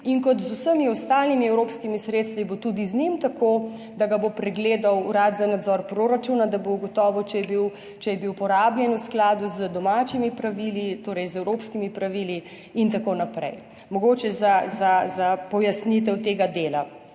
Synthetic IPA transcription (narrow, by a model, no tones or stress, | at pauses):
iŋkɔt̪zusəmiɔst̪alnimiɛwɾoːpskimisɾeːt̪st̪ʋibot̪uːd̪iznimt̪akoː | d̪aɡabopɾɛɡleːd̪awɾat̪zanad̪zɔːɾpɾoɾat͡ʃunad̪abouɡɔt̪ɔːʋɔt͡ʃɛjɛbiw | t͡ʃɛjɛbiwpɔɾaːbljɛnusklaːd̪uzəd̪ɔmaːt͡ʃimipɾaʋilit̪oːɾɛjzɛwɾoːpskimipɾaʋili | int̪akonapɾɛ̰j | mɔɡoːt͡ʃɛzazazapɔjasnit̪ɛwt̪eːɡad̪eːla